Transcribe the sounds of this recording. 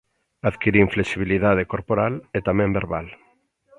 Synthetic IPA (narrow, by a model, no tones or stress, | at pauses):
aðkiɾiɱflesiβ̞iliðað̞ekoɾpoɾalet̪amɛ̃mbeɾβal